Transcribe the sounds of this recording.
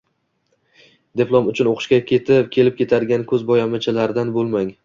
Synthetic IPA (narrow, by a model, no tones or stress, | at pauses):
d̪eplˠɒmʊt͡ʃʰʊnoqʰʃkʲakʲʰe̞t̪ʰɪp̚kʲʰe̞lɪp̚kʲe̞t̪ʰad̪ɪɡʲankʰɵzbɒjamɪt͡ʃʰalaɾɪd̪anbolˠmaŋ